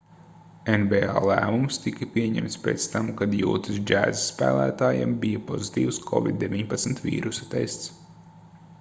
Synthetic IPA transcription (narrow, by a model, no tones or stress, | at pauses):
envea̰ːlˠæːmumst̪ikɐpʲiɛɲɛ̰mt̪speːt̪st̪amkad̪jṵːt̪ɨsd͡ʒæːzsːpæ̰ːlˠæ̰ːt̪aːja̰mbijapɔzit̪iːwskʰɔ̰vʲḭd̪̚dːevʲiɲpat̪smt̪vḭːɾusḁt̪ɛjst̪s